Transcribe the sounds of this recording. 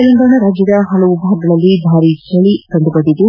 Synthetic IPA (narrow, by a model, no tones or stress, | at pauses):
ɐlɐnɡ̪aːɳɐɾaːd͡ʒjɐd̪ɐɦɐlɐʋubʱaːɡɐɭɐlːibʱaːɾit͡ʃɐɭitɐnd̪ubɐd̪id̪u